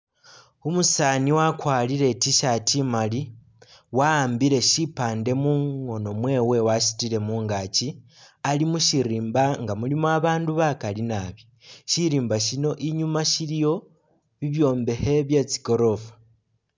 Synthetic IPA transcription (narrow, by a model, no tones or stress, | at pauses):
umusaːniwakwaːlile̞tiʃatimali | waːmbiɾe̞ʃipaːnde̞muŋo̞no̞mwe̞ːwe̞waʃi̥tile̞muːŋɡat͡ʃi | alimuʃiɾiːmbaŋɡamulimoaβaːnduβakalinaβjo | ʃiɾiːmbaʃino̞ʔiɲumaʃilijo̞ | βiβjo̞ːmbe̞he̞βjet͡si̥ko̞ɾo̞fḁ